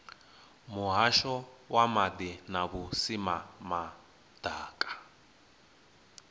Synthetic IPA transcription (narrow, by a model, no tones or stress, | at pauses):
muɦaʃɔwamad̪inaβusimama | d̥aːkʼḁ